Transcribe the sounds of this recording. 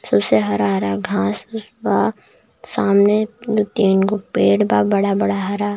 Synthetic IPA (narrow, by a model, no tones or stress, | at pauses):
sɐbseɦɐɾaɦɾaːɡʱãːsʊsba | saːmned̪ut̪eːnɡopeːɽbaːbɐɽabɐɽaɦɐɾaː